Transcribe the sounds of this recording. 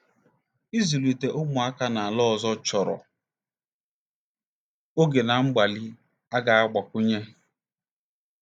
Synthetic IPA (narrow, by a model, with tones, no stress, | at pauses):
i˦zu˨li˨te˨ʔʊ˦mʊ˨a˦ka˦na˨a˨lɔ˦˨zɔ˦t͡ʃɔ˨ɾɔ̰˨ | o˦ɡe˨na˨ŋ͡m̩˦ɡ͡ba˨li˦ | a˦ɡa˨a˦ɡ͡ba˨kʷʊ˦ɲe˦